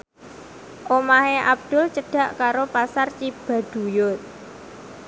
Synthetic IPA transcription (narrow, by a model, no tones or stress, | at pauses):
ʔomaɦeʔa̰b̚d̪̥ʊ̤lt͡ʃəɖ̥a̤ʔkaɾopasart͡ʃib̥a̤d̪̥ṳjʊt̪̚